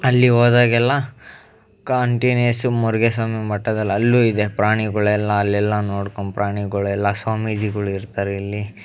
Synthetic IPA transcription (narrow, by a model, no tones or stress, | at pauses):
ɐlːiɦoːd̪aːɡɛlːɐ | kaːɳʈinɐsumɔɾɡesaːmimɐʈːɐd̪ɐlːɐlːuːid̪epɾaːɳiɡɐɭɛlːɐːlːɛlːɐnoːɽkompɾʔaːɳiɡɐɭuɛlːɐsʋaːmid͡ʒiɡɐɭuiɾt̪aːɾeɐlːi